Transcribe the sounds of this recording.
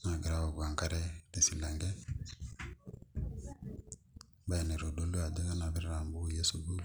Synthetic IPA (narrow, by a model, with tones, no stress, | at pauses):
na˨ɡa˨ɾa˦wo˨ɡa˨ŋka˦ɾe˦te˨si˨la˨ŋɡe˦ | ba˦e˨ne˨ɾo˨do˨lu˦a˨de˦ɡa˦na˨βi˦ɾɾa˨mbu˦˨je˦su˨bu˦